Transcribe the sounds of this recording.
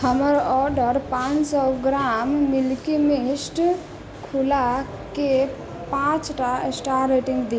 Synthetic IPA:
həməɾɔɾɖəɾpãt͡ʃsɔɡɾamːilkemisʈ | kʰula | ke | pãt͡ʃʈaesʈaɾeʈiŋɡd̪i

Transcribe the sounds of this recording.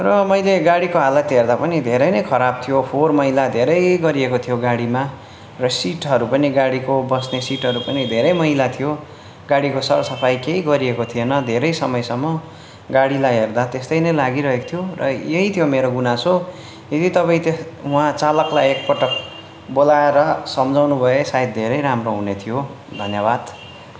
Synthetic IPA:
rʌmʌjleɡaɽikoɦalʌt̪ɦerd̪apʌnid̪ʱeɾʌjnʌjkʰʌɾab̚t̪ʰijopʰormʌɦilad̪ʱeɾʌjɡʌɾiekot̪ʰijoɡaɽima | rʌsiʈɦʌɾupʌniɡaɽikobʌsnesiʈɦʌɾupʌnid̪ʱeɾʌjmʌɦilat̪ʰijo | ɡaɽikosʌrsʌpʰajkeɦiɡʌɾiekot̪ʰienʌd̪ʱeɾʌjsʌmʌjsʌmːʌ | ɡaɽilajɦerd̪at̪est̪ʌjnʌjlaɡiɾʌɦeko̥t̪ʰijorʌ̰jeɦit̪ʰijomeɾoɡunaso | et̪it̪ʌpaĩt̪eũãt͡salʌklajek̚pʌʈʌk | bolaeɾʌsʌmd͡zʱawnubʱʌesaid̪̚d̪ʱeɾʌjɾamroɦunet̪ʰijo | d̪ʱʌnjʌbad̪̥

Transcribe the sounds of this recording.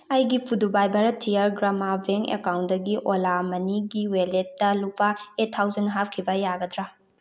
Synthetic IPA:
ɐjɡipʰudubajbɐɾɐtʰijaɾɡɾamabʱeŋḛkawndɐɡiʔolamɐniɡiweletːɐlupaetʰːawzɐnɦap̚kʰibɐjaɡɐdɾa

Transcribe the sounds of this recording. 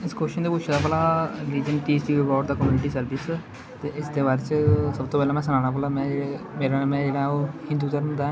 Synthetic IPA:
ɪskoʃənd̪eːpʊt͡ʃʰd̪aːpəːlaːɾiːd͡ʒəɳʈiːsʈiːəbɔːɖd̪aːkəmjuːnɪʈiːsəɾʋɪs | t̪eːɪsd̪eːbaːɾet͡ʃsəbt̪oːpɛːlaːmɛ̃ːs̬ənaːnaːp̬əːlaːmɛ̃ːd͡ʒeemeːɾamɛ̃ːd͡ʒeːɽãoːhɪ̃nd̪uːt̪əɾmə̃d̪ãː

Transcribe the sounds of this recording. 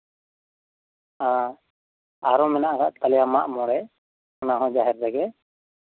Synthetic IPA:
ã | aɾɔmɛnaʔaɾaʔt̪alijamaʔmɔɽɛ | anaɦɔ̃d͡ʒaɦɛɾd̪ɛɡɛ

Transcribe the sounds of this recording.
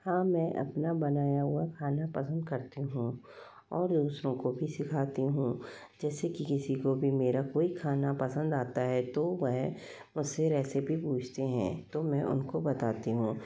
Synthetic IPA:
hãːmɛ̃ːʔɐ̰pnabɐnaːjaɦʊakʰaːnapɐsə̃nd̪̚kɐɾt̪eɦũː | ɔːɾd̪uːsɾõkobʱisɪkʰaːt̪iɦũː | d͡ʒɛːsekikɪsikobʱimeːɾakoːikʰaːnapɐsə̃nd̪aːt̪aɦɛt̪oʋɛɦ | mʊd͡ʒseɾɛːsebʱipuːt͡ʃʰt̪eɦɛ̰̃ːt̪omɛ̃ʔʊ̰nkobɐt̪aːt̪iɦũː

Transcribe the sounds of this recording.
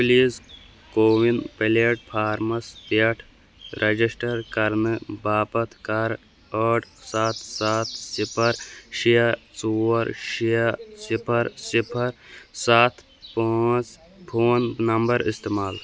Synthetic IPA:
pliːz | koːʋinpɐleʈ̚pʰaːɾmɐspɐʈʰ | ɾʔɐd͡ʒisʈɐɾkɐɾnɨbaːpɐt̪ʰkɐɾ | əːʈsaːt̪ʰsaːt̪̚ʰsipʰɐɾʃijɐt͡suːɐɾʃijɐsipʰɐɾsipʰɐɾsaːt̪ʰ | paːt͡ʃ | pʰoːnnɐmbɐɾist̪eːmaːl

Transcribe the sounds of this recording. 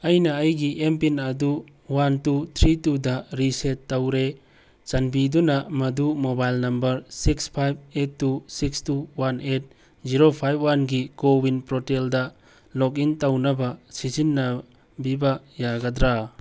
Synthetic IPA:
ɐjnɐːjɡiʔempinɐdu | wantut̪ʰɾitudɐɾisetːawɾe | t͡ʃanbidunɐmɐdumobajlnɐmbɐɾsikspʰajb̚etːusikstuwanet̚ | ziɾopʰajb̚wanɡikowinpɾoteldɐ | lɔk̬intawnɐbɐsizinːɐ | bibɐjaɡɐdɾa

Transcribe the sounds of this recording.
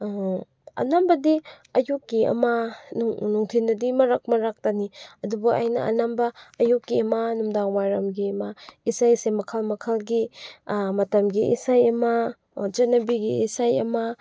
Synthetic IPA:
ɐ̰nambɐdi | ɐjukːiɐ̰mɐnuŋnuŋtʰindɐdimɐɾak̚mɐɾak̚taniɐdubuʔa̰jnɐ̰ɐ̰nambɐːjukːiɐmɐnumdaŋwajɾɐmɡiɐmɐisajsemɐkʰɐlmɐkʰɐlɡi | mɐtɐmɡiʔḭsajɐmɐ | d͡ʒɐnɐbiɡiisajɐmɐ

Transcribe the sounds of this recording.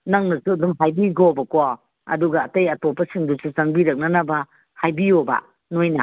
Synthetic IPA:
naŋnɐsuɐdumɦajbiɡobɐkwa | ɐ̰duɡaːtɐjɐtopːɐsiŋdusuzaŋbiɾɐk̚nɐnɐbɐ | hajbioba̰ | nojna̰

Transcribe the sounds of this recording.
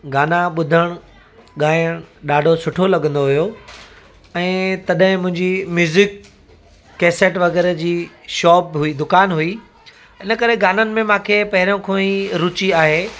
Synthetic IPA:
ɡaːnaɓʊd̪ʱəɽ̃ | ɠaːjəɽ̃ɗaːɖʱosʊʈʰolɐɠə̃nd̪oɦujo | ɛ̃ːt̪ɐɗɦɪ̃mʊ̃ɦɪ̃ɲd͡ʑimjuːzɪkː | ɛːseʈʋɐɣɛːɾd͡ʑiːʃɔːpɦuid̪ʊkaːnɦui | ɪnə̆kɐɾeɡaːnənɪ̆mẽmãːkʰeːpɐɦɪɾjõkʰoːĩɾʊt͡ɕiaːɦeː

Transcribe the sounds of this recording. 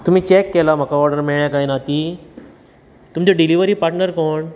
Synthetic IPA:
t̪um̤iːt͡ɕɛkːɛlam̤akaɔɾɖəɾmiɭjakainat̪i | t̪umt͡ɕeɖiliʋəɾiːpaɾʈnəɾkoːɳ

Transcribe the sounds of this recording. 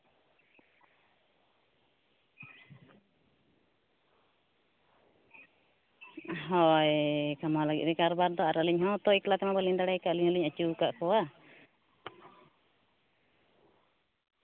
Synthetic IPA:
ɦɔjkamalaɡḭt̪̚ɾɛkaɾbaɾd̪ɔaɾaliɲhɔt̪ɔiklat̪ɛmabaliɲd̪aɽɛjkaʔliɲhɔliɲat͡ʃukaʔkɔwa

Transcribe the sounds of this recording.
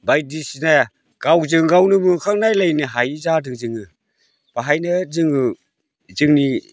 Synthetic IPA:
bajdisinaj | ɡ̥awzɯŋɡawnɯmɯŋkʰaŋ̚najlajnɯɦajzadɯŋzɯŋɯ | b̥aɦajnɯzɯŋɯ | zɯŋni

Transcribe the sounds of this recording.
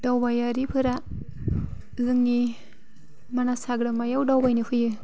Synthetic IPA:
d̥awbajaɾipʰɯɾa | zɯŋːi | manasaɡɾamajawdawbajnɯhʰɯjɯ

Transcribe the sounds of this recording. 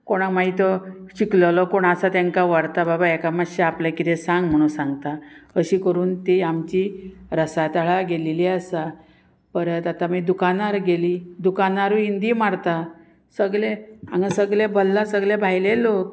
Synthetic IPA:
koɽ̃amait̪ɔɕiklɔlɔkoɽ̃asat̪jãŋkaʋaɾt̪ababaekamaɕeapljakit̪esãŋɡ̚m̤əɽ̃ũnsãŋɡt̪aəɕiːkəɾuːnt̪iamt͡ɕiɾəsat̪əɭaɡeleliasa | pəɾt̪at̪amiːd̪ukanaɾɡeliːd̪ukanaɾuind̪iːmaɽt̪a | səɡɭea̰ŋɡasəɡlebəlːasəɡlebʱajlelok̚

